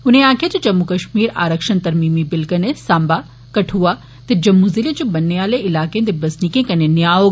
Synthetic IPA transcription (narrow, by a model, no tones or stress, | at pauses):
ʊnẽãːkʰet̪ɐd͡ʒɐmːukɐʃmiːɾa̰ːɾəkʃənt̪ɐɾmiːmibɪlkɐnesãːmba | kɐʈʰua | t̪ɐd͡ʑɐmːuzilẽd͡ʑobɐnːeaːleɪlaːkẽnd̪ebɐsnikẽkɐnenjaːo